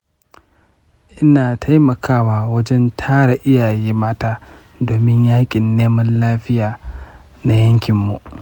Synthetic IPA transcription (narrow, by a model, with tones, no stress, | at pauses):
ʔɪ˦naː˨tʰa˦jmɐ˨kʰaː˦waː˨wɐ˦d͡ʒɛ˦ntʰaː˦ɽa˨ʔɪ˦jaː˨jiː˦maː˦taː˦ | doː˨mɪ˦ɲjaː˦kʲʼɪ˨nːeː˦mɐ˦nlaː˦ɸɪ˦jaː˨ | na˨jɐ˦ŋkʲɪ˨mːu˨ʔ